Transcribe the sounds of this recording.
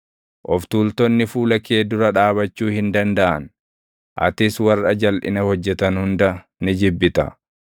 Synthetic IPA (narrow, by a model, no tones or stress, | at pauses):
ʔɔft̪uːlt̪ɔnːɪfuːlɐkeːd̪ʊɾɐᶑaːβɐt͡ʃːuːhɪnd̪ɐnd̪ɐʔɐ̰n | ʔɐ̰t̪ɪswɐrːɐd͡ʒɐlʔɪ̰nɐhɔd͡ʒːɛt̪ɐnhʊnd̪ɐ | nɪd͡ʒɪbːɪt̪ɐ̰